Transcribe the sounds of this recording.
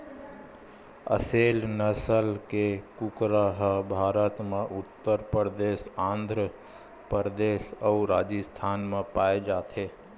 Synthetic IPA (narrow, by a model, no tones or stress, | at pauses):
ə̰seːlnəsəlkekukɾəɦbʱaːɾət̪mẽʔʊt̪ːəɾpəɾd̪eːsãːnd̪ʱɾə | pəɾd̪eːsəuɾaːd͡ʒəst̪ʰaːnmẽpaːed͡ʒaːt̪ʰe